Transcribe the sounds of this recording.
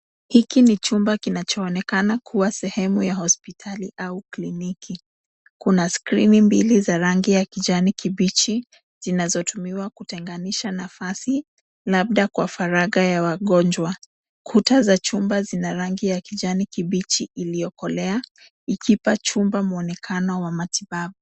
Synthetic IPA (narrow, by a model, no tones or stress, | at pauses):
hikinit͡ʃumbakinat͡ʃɔːnɛkanakʰuwasɛhɛmujahɔspitʰaliʔauklinikʰi | kunaskɾinimbilizaɾaŋɡijakiʄanikiɓit͡ʃi | z̥inazɔtumiwakutɛŋɡaniʃanafasi | lab̚ɗakwafaɾaɠajawaɠɔnd͡ʒwa | kʰutazat͡ʃumbazinaɾaŋɡijakiʄanikiɓit͡ʃiilijɔkɔlɛa | ikʰipat͡ʃumbamuɔnɛkʰanɔwamatiɓaɓu